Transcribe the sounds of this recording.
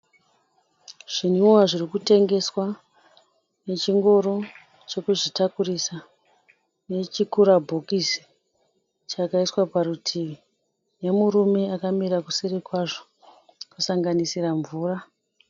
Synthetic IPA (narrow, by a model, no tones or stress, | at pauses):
ʐ̥inuwaʐirikute̞ŋɡe̞swa | ne̞t͡ʃiŋɡo̞ɾo̞ | t͡ʃe̞kuʐitakurisa | ne̞t͡ʃikuɾabʱo̞kisi̥ | t͡ʃakaiswapaɾutʰiʋi | ne̞muɾume̞akamiɾakusirikwaʐo | kusaŋɡanisiraɱvuːra